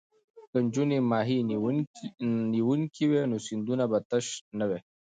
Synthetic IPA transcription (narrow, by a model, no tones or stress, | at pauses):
kəɲd͡ʒunimaːɦi | niwuŋkiwenosind̪unabat̪əʃnəwe